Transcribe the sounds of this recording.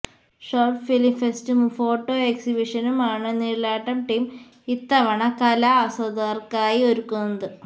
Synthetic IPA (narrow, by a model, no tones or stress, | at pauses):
ʂoːrʈfilifestɨmfo̞ːʈːoːeksibiʂɐnumaːɳɨniːɽlaːʈːɐmʈim | it̪ːɐʋɐɳɐkɐlɐːsɐd̪ɐrkaːjioɾukːunːɐðɨ